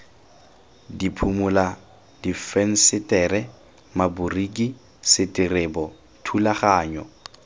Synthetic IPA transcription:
dipʰumʊla | difɛn̩sɪtʼɛːɾɛ | maburikʼi | sɪtʼirɪbɔ | tʰulaχaːɲɔ

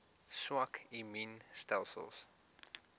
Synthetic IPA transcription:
swakʰiminstɛlˠsə̰lˠs

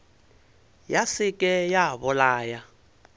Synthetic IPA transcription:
jasikʼɛjaβɔlaːja

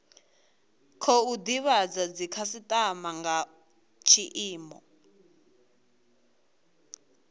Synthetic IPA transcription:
kʰɔudiβad͡zad͡zikʰasitʼamaŋɡa | t͡ʃʰiʔiːmɔ̰

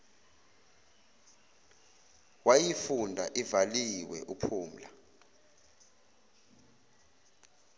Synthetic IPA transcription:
wajifundʱa̰ʔivaliwɛ̰ʔupʰuːm̩la̰

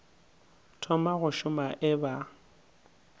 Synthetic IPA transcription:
tʰɔmaɣʊʃʊmaʔɪba

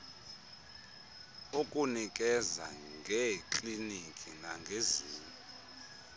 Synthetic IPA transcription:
ukʼunikʼɛza̰ŋɡʱɛkʼlinikʼinaŋɡʱezuːlu

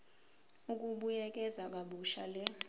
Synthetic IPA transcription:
uk̬ʼuɓujɛk̬ʼɛzak̬ʼaɓuʃalɛ

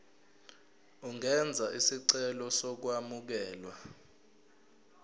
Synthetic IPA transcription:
uŋɛnd͡zʱaʔisiǀɛlɔsɔk̬wamuk̬ɛːlwa

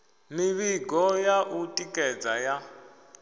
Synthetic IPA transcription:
miβiɡʱɔjaʔutʼikʼɛd͡zaja

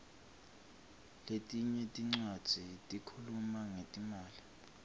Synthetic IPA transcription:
letʼiɲɛtʼiŋ͡ǀad̥z̥ʱitʼikʰulumaŋetʼimaːli

